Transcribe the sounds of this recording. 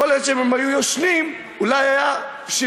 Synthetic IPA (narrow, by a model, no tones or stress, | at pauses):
oleʃememajujoʃlim | ulajaja | ʃi